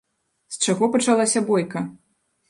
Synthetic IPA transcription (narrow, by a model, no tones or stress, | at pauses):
st͡ʂaɣɔpɐt͡ʂalˠasʲɐbɔjkɐ